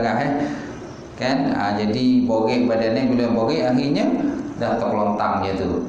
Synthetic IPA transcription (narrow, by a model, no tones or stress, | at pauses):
ɡaɦɛ | kanə̰d͡ʒadiboɡeʔbadanabiluboɡeʔaɦirɲadaht̪əklɔnt̪aŋd͡ʒit̪u